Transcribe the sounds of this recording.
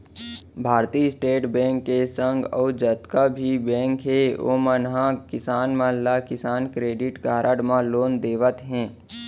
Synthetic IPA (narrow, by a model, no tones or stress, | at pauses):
bʱaːɾt̪iɪsʈeːʈbɛ̃ːŋkːesə̃ŋɡəːd͡ʒət̪kabʱibɛ̃ːŋkɦeo̰ːmənɦãkɪsaːnməllakɪsaːnkɾeːɖɪʈɡaːɾʔəɽmãloːnd̪eːʋət̪ɦɛ̃ː